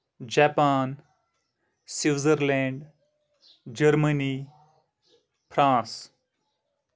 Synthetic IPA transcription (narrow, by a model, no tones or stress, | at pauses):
d͡ʒaːpaːn | siʋzəɾlɛ̃ːɳɖ | d͡ʒəɾməniː | pʰɾãːs